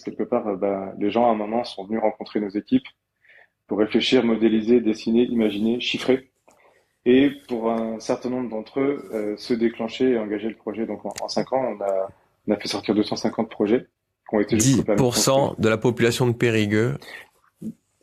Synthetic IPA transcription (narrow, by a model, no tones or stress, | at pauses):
kʲɛlkəpaʁøbaleʒɑ̃ɛ̃mɛ̃nɑ̃sɔ̃vənyʁɑ̃kɔ̃t̪χenozekʲip | puʁːefleʃiʁmɔd̪elized̪esineʔimaʒineʃifχe | epuʁɛ̃sɛʁt̪ɛ̃nɔ̃bʁəd̪ɑ̃t̪χøøsəd̪eklɑ̃ʃeeɑ̃ɡaʒeləpχɔʒɛd̪ɔ̃kɑ̰̃ɑ̰̃sɛ̃kɑ̃ɔ̃nã | nafɛsɔʁt̪iʁd̪øsɑ̃sɛ̃kɑ̃t̪̚pχɔʒɛ | kɔ̃et̪eʒyiupaʁpuʁsɑ̃d̪əlapɔpylasjɔ̃d̪əpeʁiɡø